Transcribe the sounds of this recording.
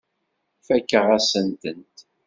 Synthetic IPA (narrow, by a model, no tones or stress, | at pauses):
fækːəʁæsənt̪ənt̪